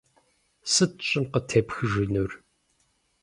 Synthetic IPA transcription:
sɨt̚ɕʼɪmqətʰeːpxɨʒɨnur

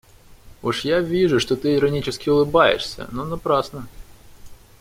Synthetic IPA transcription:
oʂjavʲiʐʊʂt̪o̞t̪ɨɪɾɐnʲit͡ɕɪskʲɪʊlˠɨbajɪ̰ʂsʲə̰nonɐpɾasnə

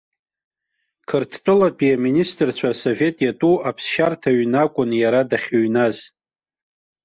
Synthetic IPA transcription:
kʰɨrtʰtʼɨlapʼiaministʼɨrt͡ɕʷʰaso̞ve̞tʼjatʼuapʰsʃartʰaɥnakʷʼʊnjaɾadaχʲoɥnaz

